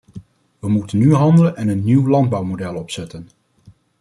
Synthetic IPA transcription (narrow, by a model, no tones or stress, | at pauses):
ʋəmutənːyɦɑndələnɛnənːiwlɑnd̚bɑwmodɛlˠɔpsɛtən